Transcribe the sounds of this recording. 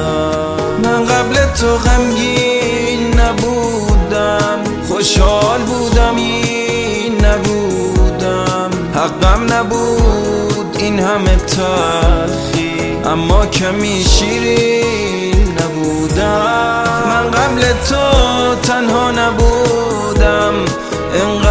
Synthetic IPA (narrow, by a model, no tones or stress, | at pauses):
mænɢablet̪ʰoɣamɡi | nːæbu | d̪æm | χoʃhɒːlbuːd̪æmji | nːæbuː | d̪æ | m | hæɡːæmnæbuː | d̪inhamet̪ʰæɾxi | ʔæmːɒːcʰæmiːʃiːɾi | nːæbuːd̪æ | mænɢablet̪ʰot̪ʰænhɒːnæbuː | d̪æm | ʔenɢ